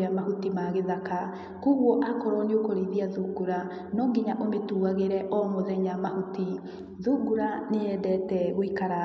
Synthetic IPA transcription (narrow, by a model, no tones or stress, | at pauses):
amahutimaɣeðaka | koɣwɔʔakɔɾɔneokoɾeðiaðuɡuɾa | nɔːŋɡiɲaʔometuːɣaɣeɾɛʔɔmoðɛɲamahuti | ðuɡuɾaneɛdɛtɛɣoikaɾa